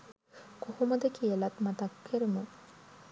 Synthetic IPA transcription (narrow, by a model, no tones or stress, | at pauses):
kokoməd̪ekijəlat̪mat̪akpʰeɾimə